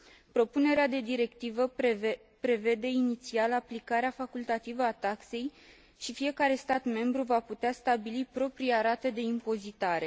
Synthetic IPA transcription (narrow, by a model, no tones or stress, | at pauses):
pɾo̞pune̞ɾead̪e̞d̪iɾe̞kt̪ivə | pɾe̞ve̞d̪e̞init̪sialaplikaɾeafakult̪at̪ivəat̪akse̞j | ʃifije̞kaɾe̞st̪at̪me̞mbɾuvaput̪east̪abilipɾo̞pɾijaɾat̪e̞d̪e̞impo̞zit̪aɾe̞